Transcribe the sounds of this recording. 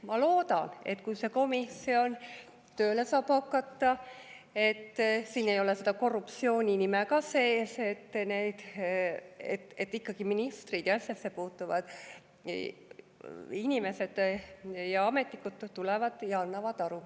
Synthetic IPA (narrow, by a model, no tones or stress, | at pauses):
mɑlo̞ːd̪̥ɑne̞̰t̪kujse̞ko̞misio̞n | t̪ø̞ːle̞sɑːb̥hɑkːˑɑt̪ːɑ | e̞t̪ːsiːne̞jo̞lese̞d̪ɑko̞rːupt̪sio̞ːnʲinimɛkɑseːset̪ːne̞d̪̥ | ḛt̪et̪ːikːɑɡ̥iminist̪rid̪̥jɑsʲesːepuːt̪ːˑuvɑ̰d̪̥ | inʲime̞se̞d̪̥jɑɑme̞t̪nikːud̪̥t̪ːulɛvɑd̪̥jɑɑnːɑvɑd̪̥ɑɾu